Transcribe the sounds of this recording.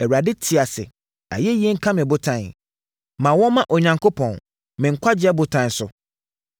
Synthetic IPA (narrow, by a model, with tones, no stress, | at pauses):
ɛ˨wa˨dɪ˦tʰɪ˨a˨sɪ̰˨ | a̰˨jɛ˦ji˦e˦ŋ̩˦kʰã˦mɪ̃˨bʊ˦tʰã˦˨n˨ | mã˨wɔ̃˦mã˦ʔɔ˨ɲã˨ŋkʰo˦pʰɔ̃˨n | mɪ̃˨ŋ̩˨kʷʰa˦d͡ʑɪ˦ɛ˦bʊ˦tʰã˦n˨˦sʊ˨